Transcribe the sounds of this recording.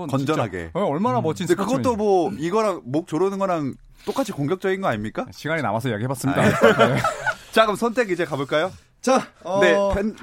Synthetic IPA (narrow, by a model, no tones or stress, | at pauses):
kʌnd͡ʑʌnɦaɡe̞̰eʌɭmanamʌt͡ɕʰidekɯɡʌtt͈omwʌiɡʌɾanmok̚t͡ɕ͈oɾɯnɯnɡʌɾan | t͈ok͈at͡ɕʰikoŋɡjʌk̚t͡ɕ͈ʌɡinɡʌaɲimɲik͈aɕʰiɡaɲina̰mas̬ʰʌijaɡiɦebas͈ɯmɲidaet͡ɕaɡɯmsʰʌntʰe̞ɡid͡ʑe̞kaboɭk͈ajo | t͡ɕane̞pʰen